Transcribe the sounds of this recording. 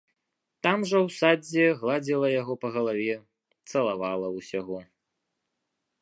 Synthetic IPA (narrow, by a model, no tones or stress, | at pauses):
t̪amʐɐwsad͡zʲɛɣlˠad͡zʲɛlˠɐjaɣɔpɐɣɐlˠavʲɛ | t̪sɐlˠavalˠɐwsʲaɣɔ